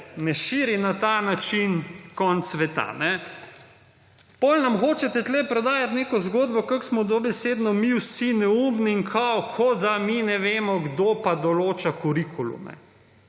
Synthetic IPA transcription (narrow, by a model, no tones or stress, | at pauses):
nɛʃiːɾinat̪anat͡ʃinkɔnt̪sʋɛt̪a̰nɛ | pɔlnamxoːt͡ʃɛt̪ɛt̪lɛpɾɔd̪aːjat̪neːkɔzɡoːd̪bɔkaksmɔd̪obɛseːd̪nɔmiwsinɛuːmniiŋkʰawkʰɔd̪aminɛʋeːmɔɡd̪opad̪ɔloːt͡ʃakuɾikʰulṵmɛ̰